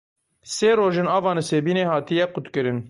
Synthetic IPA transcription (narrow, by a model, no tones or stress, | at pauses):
seːɾoːʒenɑːvɑːnɨseːbiːneːhɑːt̪ijɛqʊt̪kɨɾɨn